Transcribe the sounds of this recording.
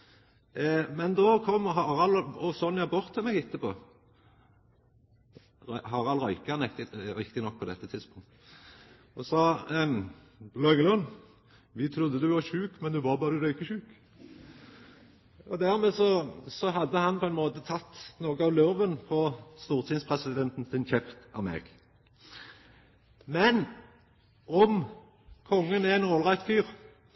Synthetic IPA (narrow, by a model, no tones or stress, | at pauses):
mɛnd̪ɔkʰɔmːɦɑʁɑlɔsɔnjæbɔʁt̪ʰːɪlmɛɡɪt̪ːəpo̰ː | ɦɑːʁɑlʁœʏkɑnɛkt̪ɪʋɪkt̪ɪnɔk̚ːpʰɔd̪ɛt̪ːət̪ʰɪd̪spʊŋt̪ | ɔsɔ | lœŋəlɔn | ʋɪt̪ʰɾʊd̪ːəd̪ɛʋɑçʉːkmɛnd̪ʉʋɑbɑːɾʉɾœʏkːəçʉːk | ɔd̪æʁmɛːsɔsɔɦɑd̪ːəhɑnpʰɔɛnmoːt̪ət̪ʰɑt̪ːnoːɡəɑʋløːʋənpʰɔst̪uːʁt̪ʰɪŋspʰʁɛsɪd̪ɛnt̪n̩sɪnçɛft̪ɑ̰ʋmḛːɡ̥ | mɛn | ɔm | kʰɔŋːənææɪnoːlʁæɪt̪fyːʁ